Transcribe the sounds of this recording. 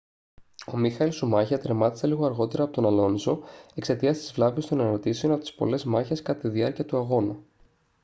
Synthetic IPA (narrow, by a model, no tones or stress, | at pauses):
o̞mixɐilsumɐçɐt̪ɾemɐt̪i̥se̞liɣo̞ɐɾɣo̞t̪e̞ɾɐːpo̞t̪o̞nɐlo̞nzo̞e̞kse̞t̪iɐst̪i̥zvlɐvest̪o̞neɾo̞t̪iseo̞nɐpot̪ispo̞̰le̞zmɐçe̞skɐt̪ɐt̪iðiɐɾciɐt̪uɐɣo̞nu